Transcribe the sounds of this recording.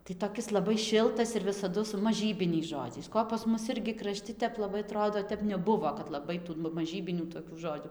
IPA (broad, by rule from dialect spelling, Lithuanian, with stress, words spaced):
tɐɪ toːˈkʲɪs lˠɐˈbɐɪ ˈʃʲɪlˠtɐs ɪr ʋʲɪsɐˈdʊ sʊ mɐˈʒʲiːbʲɪnʲɛɪs ˈʒoːd͡ʒʲɛɪs ˈkoː pɐs ˈmʊs ˈɪrʲɡʲɪ krɐˈʃʲtʲɪ tʲɛp lˠɐˈbɐɪ ɐˈtroːdoː ˈtʲɛp nʲɛˈbʊʋoː kɐt lˠɐˈbɐɪ tuː ˈnʊ mɐˈʒʲiːbʲɪnʲuː toːkʲuː ˈʒoːd͡ʒʲʊ